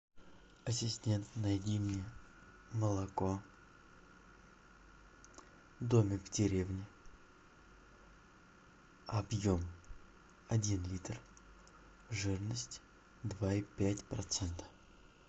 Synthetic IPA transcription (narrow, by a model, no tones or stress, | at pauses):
ɐsʲɪsʲtʲe̞nt̪nɐjdʲimɪ | məlˠɐko̞ | d̪omʲɪvdʲɪɾʲevnʲɪ | ɐbjo̞m | ɐdʲinlʲit̪r | ʐɨrnəsʲtʲ | d̪vaipʲætʲpɾɐt̪sɛnt̪ə̥